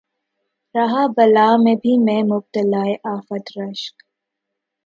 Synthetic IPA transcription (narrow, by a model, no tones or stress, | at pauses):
ɾɐɦaːbɐlaːmẽbʱimẽmʊb̚t̪əlaːeʔaːfət̪ɾɐʃk